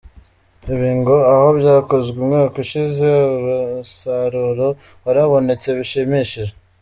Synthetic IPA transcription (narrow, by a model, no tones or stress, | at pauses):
iβiːŋɡoaho̞βjaːko̞zɡiumŋekuʃizeuɾusaɾuɾo̞ | βaɾaβo̞ne̞t͡se̞βiʃimiʃiɾe